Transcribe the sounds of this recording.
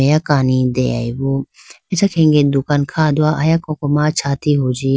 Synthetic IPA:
ejakaːnid̪ḛa̰iʋoː | ɛt͡ʃakʰẽːŋɡed̪ʊkaːnkʰaːd̪ʊaːʔajakõkomaːt͡ʃʰaːt̪iɦoːd͡ʒi

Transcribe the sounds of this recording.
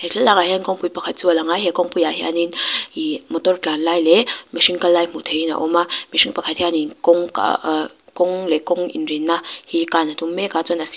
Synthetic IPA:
heɬʰɛlaŋaɦankɔŋpujpakʰat̪̚t͡sualaŋajɦɛkɔŋpujaɦɛʔa̰ninimɔtɔrt͡ɬanlajlɛmiʃiŋkalːajm̥ut̪ʰejina̰ʔɔmamiʃiŋpakʰat̪̚hɛaninkɔŋka̰kɔŋlɛkɔŋḭnrinːahikanat̪umːɛkat͡sɔnas

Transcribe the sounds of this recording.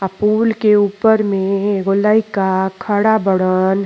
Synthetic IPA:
əpuːlkeuːpəɾmẽɡolaikakʰəɽabəɽən

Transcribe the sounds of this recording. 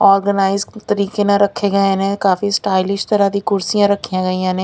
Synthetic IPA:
ɔːɾɡənaːɪzt̪ɐɾiːkenãɾɐkʰːeɡɐenẽkaːfisʈaːɪlɪʃʈt̪ɐɾad̪ikʊɾsijãɾɐkʰːijãɡɐĩjãnẽ

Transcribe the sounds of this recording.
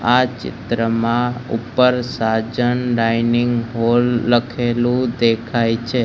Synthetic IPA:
at͡ʃɪ̰t̪ɾəmãṵpəɾsad͡ʒənɾainɪŋɡɦolːəkʰelũd̪ekʰajt͡ʃʰe

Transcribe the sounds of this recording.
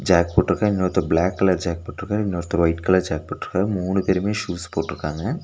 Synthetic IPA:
d͡ʒaːk̚poːʈːɪɾɯkːaːɪnːoːɾt̪ːɐblaːkːɐlɐɾd͡ʒaːk̚poːʈːɪɾɯkːaːɐɪnːoːɾt̪ːɐʋɐɪʈkɐlɐɾd͡ʒaːk̚poːʈːɪɾɯkːaːmuːɳɯpeɾɯmeːʃuːspoːʈːɪɾɯkːaːŋɡɐ

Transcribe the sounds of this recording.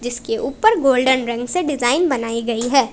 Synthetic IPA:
d͡ʒɪskeʔuːpəɾɡoːlɖənɾɛ̃ŋɡseɖɪzaːɪnbɐnaːiɡɐiɦɛː

